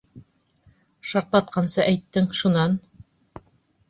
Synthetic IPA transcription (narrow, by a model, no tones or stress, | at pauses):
ʃɑɾt̪lˠɑt̪̚qɑnsɤʔæjt̪ːɘŋʃunɑn